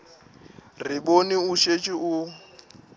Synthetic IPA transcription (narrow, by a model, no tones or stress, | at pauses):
riɓoniuʃet͡ʃʼiu